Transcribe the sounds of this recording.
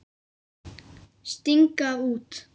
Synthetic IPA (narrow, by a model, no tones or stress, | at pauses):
ʃt̪ɪŋkaut̪